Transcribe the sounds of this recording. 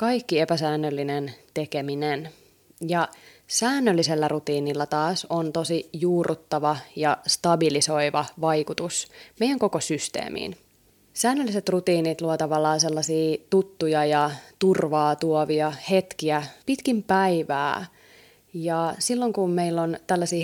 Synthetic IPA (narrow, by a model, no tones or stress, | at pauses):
kɑikːiepæsæːnːølːinent̪ekeminen | jɑ | sæːnːølːiselːærut̪iːnilːæt̪ɑːsont̪osijuːrʔut̪ːɑʋɑjɑst̪ɑbiliso̞iʋɑʋɑjkut̪usmejæŋko̞kosyst̪ḛːmḭːn | sæːnːølːiset̪rut̪iːnit̪luot̪ɑʋɑlːɑːnselːɑsiːt̪ut̪ːujɑjɑt̪urʋɑːt̪uoʋiɑhet̪kiæpit̪kimpæiʋæ̰ː | jɑsilːoŋkummeilːont̪ælːæsiː